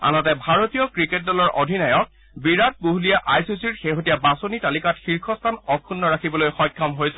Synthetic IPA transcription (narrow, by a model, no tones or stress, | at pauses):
a̰nɔtɛbʱaɹotijɔkɹiket̚dɔlɔɹʔodʱinajɔk̚ | biɹat̚boɦulijɛʔajsisiɹxeɦotijabasonitalikatxiɹkʰɔstʰanɔkʰunːɔɹakʰibɔlojxɔjkʰːamɦojsɛ